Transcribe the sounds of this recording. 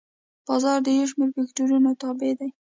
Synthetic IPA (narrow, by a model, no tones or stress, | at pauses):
b̥ɑzɑɾd̪əjawʃ̬meɾfɪkʈuɾunot̪ɑbed̪aj